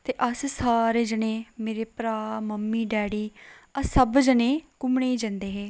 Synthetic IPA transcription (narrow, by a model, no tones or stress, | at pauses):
t̪eːʔəssaːɾeːd͡ʒənẽːmeːɾeːpɾaːməmːiːɖɛːɽiːəsəbd͡ʒənẽːkʊmɳeːd͡ʒɛ̃nd̪eːɦeː